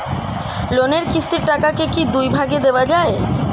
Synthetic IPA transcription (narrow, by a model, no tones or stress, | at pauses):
loneɾkist̪iɾʈakakekid̪ujbʱaɡed̪eoad͡ʑae